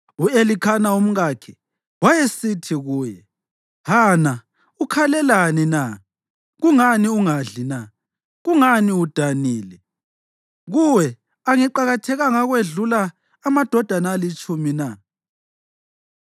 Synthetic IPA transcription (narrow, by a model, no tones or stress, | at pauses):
uelikʰanaum̩ɣakʰɛ | wajesitʰiɣuːjɛ | hana | ukʰalɛlanina | ɣuŋaniuŋaɮina | ɣuŋaniud̥ʱaniːlɛ | ɣuwɛ | aŋiǃaɣatʰɛɣaŋaɣweɮulaː | mad̥ʱɔd̥ʱanalit͡ʃʼumina